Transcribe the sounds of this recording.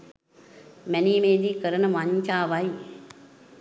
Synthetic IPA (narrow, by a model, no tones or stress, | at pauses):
mæniːmeːd̪iːkəɾənəʋaɲt͡ʃaːʋaj